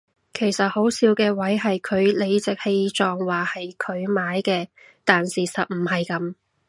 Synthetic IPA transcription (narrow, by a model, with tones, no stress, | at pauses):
kʰe˨˩jsɐ˨t̚ho˨˥wsiː˨˥wkɛː˧wɐ˨˥jɦɐ˨jkʰɵ˨˧ɥle˨˧jt͡sɪ˨k̚he˧jt͡sɔː˨ŋwaː˨hɐ˨jkʰɵ˨˧ɥmaː˨˥jkɛː˧ | t̪aː˨nsiː˨sɐ˨t̚m̩˨˩hɐ˨jkɐ˨˧˥m